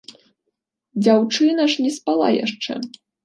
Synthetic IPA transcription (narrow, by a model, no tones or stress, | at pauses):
d͡zʲawt͡ʂɨnɐʂnʲɛspalˠa̰ja̰ʂt͡ʂɛ̰